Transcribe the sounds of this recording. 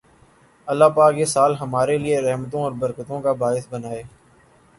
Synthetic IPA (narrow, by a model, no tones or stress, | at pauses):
əlːaːpaːkjesaːlɦəmaːɾelieɾɛɦmət̪õɔːɾbəɾkət̪õːkaːbaːɪsbənaːeː